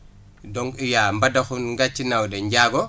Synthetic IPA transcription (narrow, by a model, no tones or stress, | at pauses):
dɔŋɡijambadaxunŋɡat͡ʃːinawdeɲɟaɡɔ